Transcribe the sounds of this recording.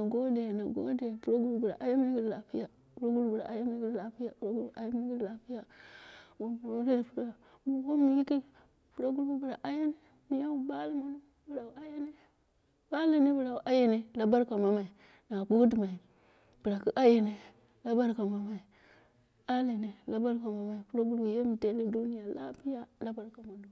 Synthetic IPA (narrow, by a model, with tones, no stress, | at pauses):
na˨ɡo˦de˨na˨ɡo̰˦de˨pu˦ɾo˦ɡu˦bu˦bu˨ɾa̰˨ʔa˦ja˦mi˦ɡi˦dla˨pi˦ja˨ | pu˦ɾa˦ɡu˦ɾu˦bu˨ɾa̰˨ʔa˦ja˦mi˨˦ki˦la˨pi˦ja˨pu˨ɾa˦ɡu˦˨ʔa˦ja˦m˦ɡi˦˨la˨pi˦ja˨ | wo˦mu˨o˦ɾi˦di˨pu˨ɾa˦ | bu˨wo˦mi˨i˦ki˦ | pu˨ɾa˦ɡu˦ɾbu˦bu˨ɾa˨ʔa˦je˦ne˦ | mi˦ja˦wu˦˨ba˦li˦ma˨nu˦ | bu˨ɾa˨a˦je˦ne˦ | ba˦le˨ne˦bu˨ɾa˨u˨ʔa˦je˦ne˨la˦ba˦ɾka˨ma˨ma˨i˨ | na˨bu˦ɡdi˨ma˨i˨ | b̥i˨ɾa˨ki˦ʔa˦je˨ne˨ | la˦ba˦ɾka˨ma˨ma˨i˨ | a˦le˨ne˨la˦ba˦ɾka˨ma˨ma˨i˨pu˦ɾa˦ɡu˦ɾu˦u˨je˦mi˨te˦li˦du˦ni˦ja˨la̰˦pi˦ja˦la˦ba˦ɾka˨ma˨nu˨